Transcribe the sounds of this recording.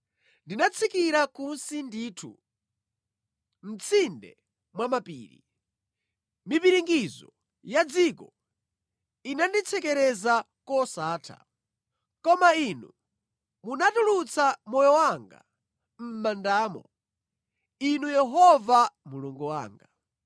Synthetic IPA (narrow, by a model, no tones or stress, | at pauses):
ndinat͡sʰikiɾakunsindiːtʰṵ | m̩t͡sʰindɛ̰ | mwamapḭːɾḭ | mipiɾiŋɡizɔ̰ | jad͡zikɔ | inandit͡sʰɛkɛɾɛza | kɔsaːtʰa̰ | kɔmainu | munatulut͡sʰamɔjɔwaŋɡa̰ | m̩mandaːmɔ | inujɛɦɔvamuluŋɡuwa̰ːŋɡa